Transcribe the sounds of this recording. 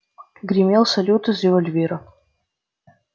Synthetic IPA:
ɡrʲimʲelˠsɐlʲut̪ʰɨzrevolʲvʲeɾɐ

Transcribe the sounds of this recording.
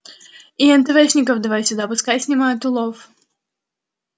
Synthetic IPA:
iɛnt̪ɨvɛʂnʲɪkəvd̪ɐvajsʲʊd̪apʊskajsʲnʲɪmajʊt̪ʊlˠof

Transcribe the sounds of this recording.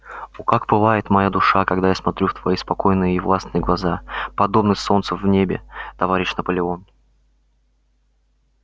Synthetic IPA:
ukakbɨlˠajɪt̪mɐjad̪ʊʂakɐɡd̪ajasmɐt̪ɾʲuft̪vɐjispɐko̞jnɨjəːvlˠasnɨjəɡlˠɐzapɐd̪o̞bnɨxʲso̞nt̪səvnʲebʲɪ̰t̪ɐvaɾʲɪɕnəpəlʲɪon

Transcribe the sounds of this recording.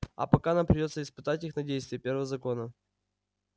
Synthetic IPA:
ɐ̰pɐkaɐnampɾʲɪdʲo̞t̪səɪspɨt̪atʲixnɐdʲejst̪vʲɪjəpʲe̞rvəvəzɐko̞nə

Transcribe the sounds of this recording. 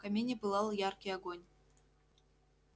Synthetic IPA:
kamʲenʲĕpɯlˠɑlˠjɑrkʲeɑɡonʲ

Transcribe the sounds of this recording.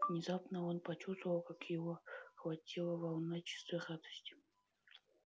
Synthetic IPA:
vnʲɪzapnəonpɐt͡ɕust̪vəvəlˠkakjɪvoxvɐtʲilˠəvɐlˠnat͡ɕɪ̥st̪vʲeχat̪ə̥sʲtʲɪ̥

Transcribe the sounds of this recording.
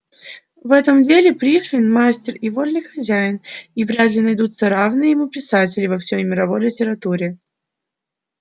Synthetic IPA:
vɛt̪əmdʲelʲɪpɾʲiffʲɪnmasʲtʲɪrivolʲnɨjxɐzʲæjɪnivɾʲad̪lʲɪnɐjd̪ut̪səɾavnɨjəjɪmupʲɪsatʲɪlʲɪvɐfsʲojmʲɪɾɐvo̞jlʲɪtʲɪɾɐt̪uɾʲɪ

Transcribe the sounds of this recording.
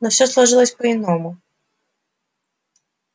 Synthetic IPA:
nɔfsʲɔslˠaʐɨlˠəsʲpɐinɔmu

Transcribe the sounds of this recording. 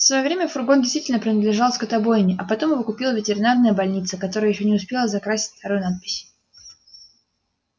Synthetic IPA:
fsvɐjo̞vɾʲemʲəfʊrɡondʲɪst̪vitʲɪlʲnəpɾʲɪnəd̪lʲɪʐalˠskət̪ɐbo̞jɪnʲɪʔɐpɐt̪o̞mɨvokʊpʲilˠəvʲɪtʲɪɾʲɪnarnəjəbɐlʲnʲit̪səkɐt̪o̞ɾɨjəjɪɕːo̞nʲɪʊspʲe̞lˠəzɐkɾasʲɪ̥tʲft̪ɐɾojʊnat̪̚pʲɪ̥sʲ

